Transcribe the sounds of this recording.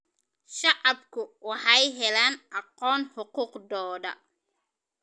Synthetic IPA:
ʃɑʕɑbkʰʊwɑħɑjɦɛlaːnʔɑqɔːnħʊquːqd̪ɔːdɐ̰

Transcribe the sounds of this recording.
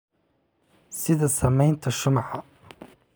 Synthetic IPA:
sɪðasamːajnt̪aʃːʊmħa

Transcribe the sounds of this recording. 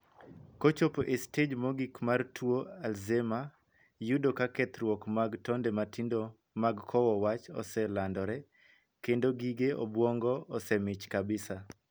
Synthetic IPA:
kot͡ʃopoʔested͡ʒmɔɡikmartwoalzema | judokakɛt̪ɾwɔkmaɡtɔndɛmatindo | maɡkʰɔwɔwat͡ʃɔ̰sɛlandɔɾɛ | kendoɡiɡeʔɔ̰bwɔŋɡɔɔsɛmɪt͡ʃkabɪsa

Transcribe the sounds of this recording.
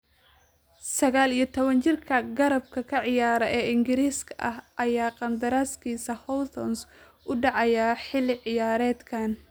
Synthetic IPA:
sɐɣaːlijɞt̪ʰɔβɐnt͡ʃɪrkʰɐɡɐɾɐb̚kʰɐkʰɐʕɪjaːɾɛʔɛːɪŋɡɪɾiːskʰɐʔɐɦʔɐjaːqɑnd̪ɐɾaːskʰiːsɐhɔt̪ʰɔns | ʔʊɖɑʕɑjaħɪlɪʕɪjaːɾɛːd̪kʰaːn

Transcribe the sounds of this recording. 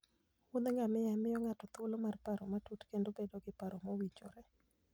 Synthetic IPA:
wʊnd̪ɛŋamɪjamɪjɔŋatɔt̪olomarpaɾɔmatutkendobedoɡɪpaɾɔmowit͡ʃo̰ɾɛ

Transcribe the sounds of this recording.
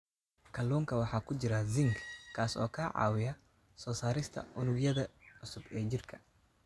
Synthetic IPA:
kʰɐluːŋkʰɐwɑħɑːkʰʊd͡ʒɪɾɐzɪŋɡkʰːaːsɔ̰ːkʰaːʕɑ̰ːwɪjɐ | sɔːsaːɾɪst̪ʰɐ̰ʔʊnʊɡjɐðɐʕʊsʊbɛːd͡ʒɪrkʰɐ̥

